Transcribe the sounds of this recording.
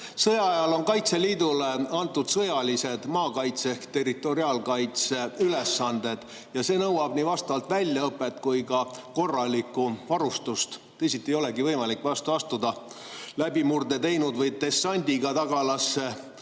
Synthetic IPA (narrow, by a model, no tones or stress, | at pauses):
sɤjɑɑjɑlo̞nkɑjt̪se̞liːd̪ule̞ɑnt̪ːˑud̪̥sɤjɑlise̞d̪̥mɑːkɑjt̪sehkt̪e̞rit̪ːˑo̞ɾiɑːlkɑjt̪seylesːɑnd̪̥e̞d̪̥ | jɑse̞ːnɤwɑb̥niːvɑst̪ɑvɑlt̪vælʲjɑɤpːˑe̞t̪kujkɑko̞rːɑlʲikːˑuvɑɾust̪ust̪ | esit̪ːˑiejo̞le̞ɡivɤjmɑlikːˑvɑst̪uɑst̪ud̪ɑ | læbimurd̪e̞t̪e̞jnud̪vɤjt̪e̞sːɑnʲd̪̥ʲiɡ̥ɑt̪ɑɡ̥ɑlɑsːe